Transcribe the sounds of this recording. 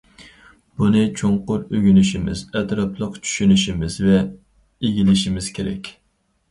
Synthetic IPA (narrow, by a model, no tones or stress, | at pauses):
b̥unɨt͡ʃʰoŋqʊɾøɡʲynyʃimɪ̰zɛt̪ɾɑpʰlˠəqt͡ʃʰy̥ʃynyʃimɪz̥vɛ | eɡʲilɪʃimɪz̥kʲʰeɾɛ̰kʲ